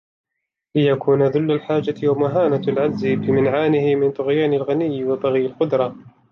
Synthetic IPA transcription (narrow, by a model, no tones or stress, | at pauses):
lɪjakʰuːnaðʊlːalħaːd͡ʒawamaɦaːnalʕad͡ʒzɪbɪmɪnʕaːnɪhɪmɪnt̪ˤʊɣjaːnalɣanɪjːwɑt̪ˤɑɣɪjalqʊd̪ɾˤɑ